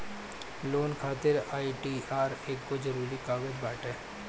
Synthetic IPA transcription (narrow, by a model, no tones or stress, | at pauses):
loːnkʰaːt̪ɪɾaːiʈiːaːɾeːkːozɐɾuːɾikaːɡəd͡ʒbaːʈɦɛː